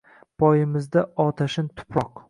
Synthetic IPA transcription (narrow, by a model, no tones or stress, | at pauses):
pʰɒjɪmɪzd̪aɒt̪ʰaʃɪnt̪ʰʊ̥pɾɒq